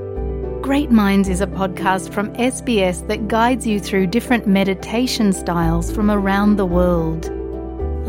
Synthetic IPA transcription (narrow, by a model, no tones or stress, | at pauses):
ɡ̥ɹeɪʔ̚mãɪ̃ndzɪzəpʰɒd̚kʰɑˑstfɹə̃mɛsb̥iɛsðəʔ̚ɡ̥aɪdzjɨθɹʉːdɪfɹə̃nmɛɾɪtʰeɪʃə̃nstaɪlˠz̥fɹə̃məɹãʊ̃nðəwɜːlˠd̥